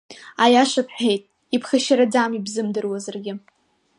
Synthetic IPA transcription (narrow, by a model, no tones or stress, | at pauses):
ajaʂapʰħejtʼ | ipʰχaʃaɾad͡zamibzɨmdɨrwazarɡʲɪ